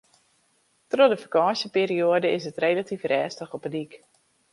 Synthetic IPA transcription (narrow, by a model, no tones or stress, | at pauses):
trɔdəfakɑːsjəpeːɾioədəɪsətrejlatifrɛːstəχɔpədik